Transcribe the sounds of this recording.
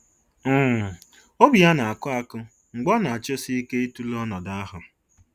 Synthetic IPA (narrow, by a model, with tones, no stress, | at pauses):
m̩˦˨ | o˦bi˨ja˦na˨a˨kʊ˦a˦kʊ˦ | ŋ͡m̩˨ɡ͡bɔ˦na˨a˨t͡ʃo˦si˦ke˦i˦tu˦lɔ˦nɔ˨da˦a˦ɦʊ˨ɾ